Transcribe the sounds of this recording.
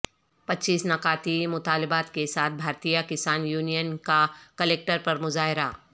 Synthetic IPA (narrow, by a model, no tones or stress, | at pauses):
pɐtːt͡ʃiːsnɐkaːt̪imʊt̪aːlɪbaːt̪kesaːt̪̚ʰbʱaːɾt̪ijakɪsaːnjuːnijənkakəleːk̚ʈəɾpɐɾmʊzaːɦɪɾaː